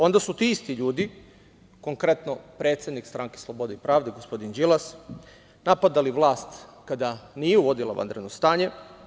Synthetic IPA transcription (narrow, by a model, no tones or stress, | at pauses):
o̞nd̪asut̪iist̪iʎuːd̪i | koŋkɾe̞t̪no̞pɾet̪sjed̪nikst̪ɾaŋkeslˠobo̞d̪eipɾaːʋd̪eɡospo̞d̪ind͡ʒilas | napad̪aliʋlˠaːst̪kad̪aniːjeuʋo̞d̪ila̰ʋa̰nd̪ɾed̪nost̪aːɲe̞